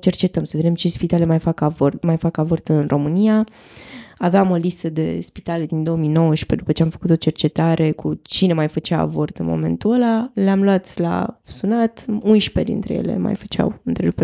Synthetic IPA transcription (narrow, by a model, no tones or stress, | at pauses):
t͡ʃe̞rt͡ʃe̞t̪əmsəve̞d̪e̞mt͡ʃespit̪alemajfakavormajfakavort̪ɨnrʔo̞mɨnija | aveamo̞list̪əd̪e̞̰spit̪ale̞d̪ind̪o̞omino̞wəʃpe̞d̪upət͡ʃeamfə̥kut̪o̞t͡ʃe̞rt͡ʃe̞t̪aɾʔe̞kut͡ʃine̞majfət͡ʃaa̰vo̞rt̪ɨnmo̞̰me̞̰nt̪uəlaleamluat̪la̰sunat̪unʃpe̞d̪ḭnt̪ɾeje̞̰le̞̰ma̰jfə̥t͡ʃa̰wɨnt̪ɾelup